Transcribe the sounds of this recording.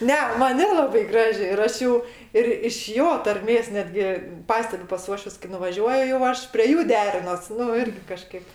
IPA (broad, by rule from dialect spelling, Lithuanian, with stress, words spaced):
ˈnʲɛ ˈmɐn ˈnʲæːlˠɐbɐɪ ˈɡrɑːʒʲɪ ɪr ˈɐʃ ˈjuː ɪr ɪʃ ˈjoː tɐrʲˈmʲeːs ˈnʲæːdʲɡʲɪ ˈpɑːsʲtʲɛbʲʊ pɐs ˈuɔʃʲʋʲʊs kɐɪ nʊʋɐˈʒʲuɔjʊ jɛʊ ˈɐʃ pʲrʲiɛ ˈjuː ˈdʲæːrʲɪnoːs ˈnʊ ˈɪrʲɡʲɪ kɐˈʃkɐɪp